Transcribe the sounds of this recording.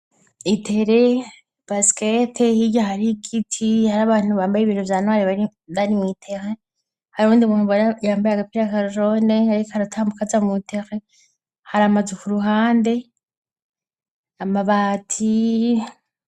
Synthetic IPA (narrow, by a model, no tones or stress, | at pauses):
itʰe̞ɾe | b̥asketʰehiɟaɦaɾikitʰihaɾaːβaːn̥uβaːmbajeβinovjaːnwaːɾiβai | βaɾimwitʰeɾe | haɾuːndimunuβojaːmbajaɡapiɾakaɾoɾoneaɾikohaɾatʰaːmbukazamutʰeɾe | haɾamazekuɾuɦaːnde̞ | amaβaːtʰi